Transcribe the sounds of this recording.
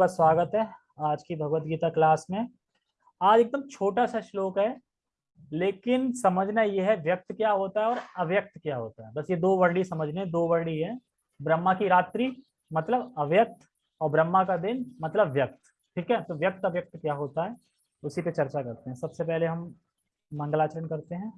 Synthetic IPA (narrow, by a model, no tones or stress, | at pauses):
aswaːɡət̪ɦɛ | aːd͡ʒkibʱɐɡʋət̪ɡiːt̪aklaːsmẽ | aːd͡ʒek̚d̪əmt͡ʃʰoːʈasaʃloːkɦɛ | leːkɪnsɐməd͡ʒʱnajeɦɛʋjɐk̚t̪kjaːɦoːt̪aɦɛɔːɾɐʋjək̚t̪kjaːɦoːt̪aɦɛbɐsjed̪oːʋɐɾɽisɐməd͡ʒʱneɛ̃d̪oːʋəɾɽiɦɛ̃ | bɾɐmːakiɾaːt̪ɾi | mɐt̪ləbɐʋjək̚t̪ | ɔːɾbɾɐmːakad̪ɪnmɐt̪ləbʋjɐk̚t̪ | ʈʰiːkɦɛt̪oʋjɐk̚t̪ɐbjək̚t̪kjaːɦoːt̪aɦɛː | ʊsipet͡ʃɐɾt͡ʃakɐɾt̪eɦɛ̃sɐbsepɛɦleɦɐmː | ɐ̃ŋɡlaːt͡ʃəɾənkɐɾt̪eɦɛ̃ː